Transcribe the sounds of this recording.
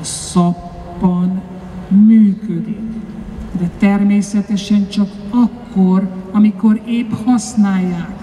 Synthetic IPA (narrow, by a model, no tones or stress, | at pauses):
sɒpː | ɒn | myːkød̪ikd̪ɛt̪ɛrmeːsɛt̪ɛʃɛnt͡ʃɒkɒkːorɒmiko̞ɾeːphɒsnaːjːaːk